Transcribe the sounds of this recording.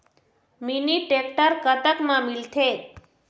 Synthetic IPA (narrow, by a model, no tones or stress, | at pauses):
miniʈek̚ʈəɾkət̪əkmãmilt̪ʰe